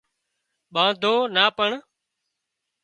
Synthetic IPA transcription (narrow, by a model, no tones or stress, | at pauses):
ɓãːd̪ʱoːnaːpəɳ